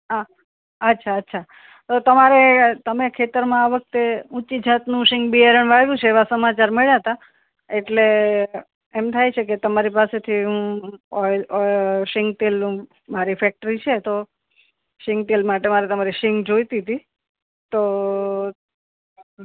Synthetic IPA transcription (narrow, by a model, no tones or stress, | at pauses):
ɦa | ətːʃʰaətːʃʰa | t̪ot̪əmaɾet̪əmekʰet̪əɾmãaʋək̚t̪eũt͡ʃid͡ʒʱat̪nũʃɪŋɡbieɾəɳ̃ʋajũt͡ʃʰeːʋasəmat͡ʃaɾmeɭjaɦt̪a | eʈle | emt̪ʰajt͡ʃʰeket̪əmaɾipaset̪ʰiɦũ | ʃɪŋɡ̚t̪elnũ | maɾifɛk̚ʈəɾit͡ʃʰet̪o | ʃɪŋɡ̚t̪elmaʈemaɾet̪əmaɾiʃɪŋɡd͡ʒojt̪it̪i | t̪o